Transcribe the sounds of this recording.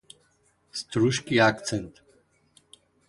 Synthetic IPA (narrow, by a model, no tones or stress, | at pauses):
st̪ɾuʃkiak̪t͡sɛnt̪